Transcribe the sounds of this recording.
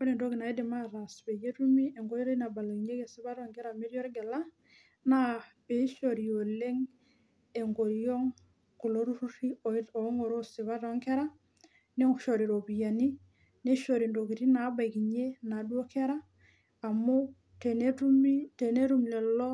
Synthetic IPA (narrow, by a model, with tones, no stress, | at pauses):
kɔ˦ɾi˨ndo˦kɪ˨na˨˦dɪ˨ma˦ɾa˨sbe˨je˦tu˦mi˦e˨ŋɡo˦ɾjɔ˦ɾi˦na˨ba˨la˨ki˨ɲe˦ke˨sɪ˦ba˦ɾɔ˨ŋɡɛ˦ɾa˨me˦ɾjɔ˦ɾɡɛ˨la˦ | na˦be˨˦ʃo˨ɾi˨o˨le˦ŋ | e˨ŋɡo˨ɾjɔ˦ŋ | ku˨lo˦ɾu˦ɾu˦ɾi˦ɔ˨i˦to˨˦ŋo˨ɾo˦sɪ˨βa˦tɔ˦ŋkɛ˦ɾa˦ | ne˦ʃɔ˨ɾi˨ɾo˨bi˨ja˨ni˦ | ne˦ʃo˨ɾi˨ndo˨ki˨ɾi˦na˨˦ba˨jki˨ɲe˦na˨dwo˦kɛ˦ɾaː˦˨ | mo˦ | te˨ne˦tu˦mi˦te˨ne˦ɾu˦m˨lɛ˨lɔ˦